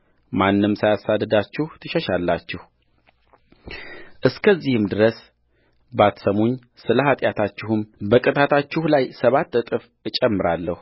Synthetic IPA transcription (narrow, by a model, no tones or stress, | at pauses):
manːɨmːsajasad̪ːəd̪at͡ʃːɪht̪ʰɨʃɛʃalːat͡ʃːɪh | ʔɨskʰəzːihɨmd̪ɨɾəs | bat̪səmo̞ɲ | sɨləɦat̪ʼjat̪ʰat͡ʃːɪhɨmbəkʼɨt̪ʰat̪ʰat͡ʃːɪhlajsəβat̪ːɨt̪ʼɨf | ɨt͡ʃʼɛmːɨɾalːəh